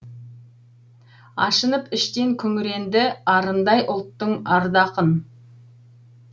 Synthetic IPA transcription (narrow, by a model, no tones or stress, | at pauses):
ɑ̰ʃənəpɪʃt̪e̞ŋkʲʰɵŋɾe̞nd̪ɪɑɾənd̪ɑjʔʊlˠt̪ːəɴɑɾd̪ɑqən